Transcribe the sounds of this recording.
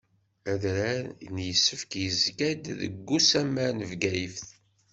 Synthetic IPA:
æðɾanjəsːəfkjəzɡæd̪ðə̰ɡːusæmæɾnəvɡæjəfθ

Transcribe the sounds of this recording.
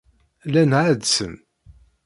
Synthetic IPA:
lænʕad̪sən

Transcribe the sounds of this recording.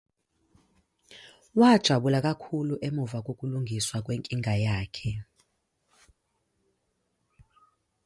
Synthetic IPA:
wad̥ʒ̥ʱaɓulakʼakʰuluʔemuvak̬ʼokʼuluŋɡʱiswak̬ʼweŋkʼiŋʱajaːkʰɛ

